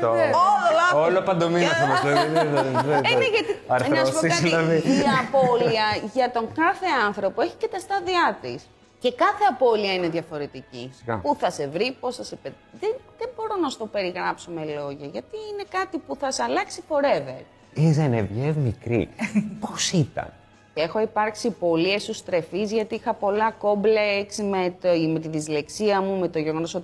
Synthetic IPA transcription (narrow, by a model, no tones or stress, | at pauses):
t̪ooɐolopɐnd̪ominɐθɐmot̪oeðveʝɐt̪iɐɾnospoiɐðillɐðiʝɐːpo̞liɐʝɐt̪o̞ŋkɐθe̞ɐnθɾo̞poe̞çi̥cet̪ɐst̪ɐðiɐt̪is | ce̞kɐθe̞ɐpo̞liɐine̞ðʝɐfo̞ɾe̞t̪iciɐpuθɐse̞vɾipo̞sɐsipe | ðeðebo̞ɾo̞nɐst̪o̞pe̞ɾiɣɾɐpsome̞lo̞ʝɐʝɐt̪iine̞kɐt̪ipuθɐsɐlɐksifo̞ɾe̞ve̞ɾ | izenevʝevmikɾḭposit̪ɐ̰n | e̞xo̞ipɐɾksipo̞liest̪ust̪ɾe̞fizʝɐt̪iixɐpo̞lɐko̞mbleksmet̪me̞t̪iðizle̞ksiɐmume̞t̪o̞ʝe̞ɣo̞no̞so̞t̪i